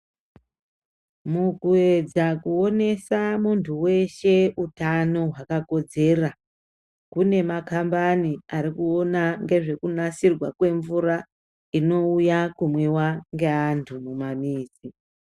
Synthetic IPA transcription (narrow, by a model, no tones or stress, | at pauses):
mukue̞d͡zakuo̞ne̞samuntʰuwe̞ʃe̞utano̞ɦwakako̞d͡ze̞ːra | kune̞makambaniaɾikuo̞naŋɡe̞ʐe̞kunasirwakwe̞ɱvura | ino̞ujakumwiwaŋɡe̞antʰumumamiːzi